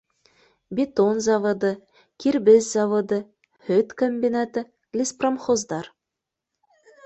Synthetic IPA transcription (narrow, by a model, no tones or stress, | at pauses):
bʲit̪onzɑvɤ̆d̪ɤ | kʲiɾbɘzzɑvŏd̪ɤ | hɵt̪komʲbʲinat̪ɘ | lʲispromχozd̪ɑɾ